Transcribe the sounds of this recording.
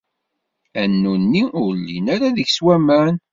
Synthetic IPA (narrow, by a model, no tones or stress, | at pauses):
ænːunːiʊɾlːḭnaɾaðəçswæmæn